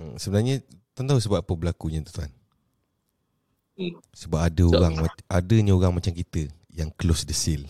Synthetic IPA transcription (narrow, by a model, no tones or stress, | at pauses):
əsəbənarɲat̪ant̪ausəbappəbəlakuɲat̪u̥t̪uan | səbapadəoɣaŋaadəɲaoɣaŋmat͡ʃamkit̪ə | jaŋklosdəsɪl